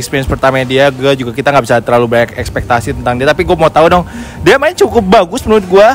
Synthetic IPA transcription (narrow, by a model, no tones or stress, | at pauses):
kspiɾiɛnspərt̪amadiaɡuad͡ʒuɡakit̪aŋɡaʔbisat̪ərlalubaɲakɛkspɛk̚t̪asit̪ənt̪aŋdiat̪apiɡuamaut̪audɔŋdiamaɪnt͡ʃukʊp̚baɡʊspənuɾʊt̪̚ɡua